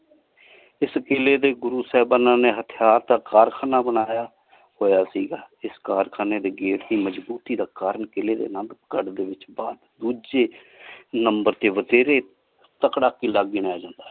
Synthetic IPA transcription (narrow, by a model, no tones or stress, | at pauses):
ɪsəkeːleːd̪eːɡʊɾuːsɛːbaːnãːneːɦət̪ʰɪjaːɾt̪aːkaːɾkʰaːnaːbənaːjaː | hoːjaːsiːɡaːɪskaːɾkʰaːneːd̪eːɡeːʈd̪iːməd͡ʒbuːt̪iːd̪aːkaːɾəɳkeleːd̪ḛːnãnd̪əkəɖd̪eːʋɪt͡ʃbaːd̪d̪uːd͡ʒeː | nəmbəɾt̪eːʋət̪eːɾeː | t̪əkɽaːkiːlaːɡːɪnaːjaːd͡ʒãːnd̪aː